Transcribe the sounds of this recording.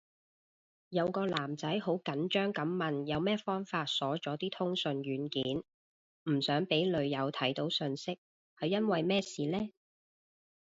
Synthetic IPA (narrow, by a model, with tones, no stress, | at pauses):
jɐ˨˧wkɔː˧laː˨˩mt͡sɐ˨˥jho˨˥wkɐ˨˥nt͡ʃœː˥ŋkɐ˨˥mːmɐ˨njɐ˨˧wmɛː˥fɔː˥ŋfaː˧t̚sɔː˨˥t͡ʃɔː˨˥t̪iː˥t̪ʰʊ˥ŋsɵ˨˧nɥyː˨˥nkiː˨˥n | m̩˨˩sœː˨˥ŋpe˨˥jlɵ˨˧ɥjɐ˨˧wt̪ʰɐ˨˥jt̪o˨˥wsɵ˧nsɪ˥k̚ | hɐ˨jːɐ˥nwɐ˨jmɛː˥siː˨lɛː˥